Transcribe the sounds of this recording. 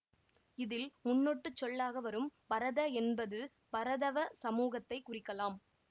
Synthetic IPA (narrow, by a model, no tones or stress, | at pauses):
ɪðɪlmʊnːoʈːɯt͡ʃːɔɭːaːɣɐʋɐɾɯmpɐɾɐðɐɛnbɐðɯ | pɐɾɐðɐʋɐsɐmuːɣɐt̪ːɐɪkːʊrɪkːɐlaːm